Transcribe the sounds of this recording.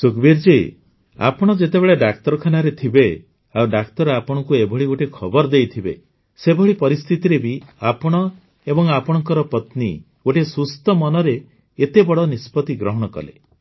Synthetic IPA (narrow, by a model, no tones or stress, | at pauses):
sukbiɾd͡ʒe | a̰pɔɽ̃ɔd͡ʒet̪ebeɭeɖakt̪ɔɾɔkʰanaɾet̪ʰibe | awɖakt̪ɔɾapɔɽ̃ɔkuebʱɔɭioʈekʰɔbɔɾd̪ejt̪ʰibḛ | sebʱɔɽipɔɾist̪ʰit̪iɾebiapɔɽ̃ɔ | ebɔŋapɔɽ̃ɔŋkɔɾɔpɔt̪ni | oʈʰesust̪ɔmɔnɔɾeː | t̪ebɔɽɔnispɔt̪iɡɾɔɦɔɽ̃ɔkɔ̰lḛ